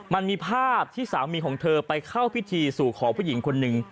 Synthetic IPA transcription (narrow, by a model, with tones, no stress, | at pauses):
ma˧nmiː˧pʰaː˥˩p̚t̪ʰiː˥˩saː˩˦wmiː˧kʰɔː˩˦ŋt̪ʰɤː˧pa˧jkʰa˥˩wpʰi˦˥t̪ʰiː˧suː˨˩kʰɔː˩˦ŋpʰuː˥˩˨ji˩˦ŋkʰo˧nːɯ˨˧ŋ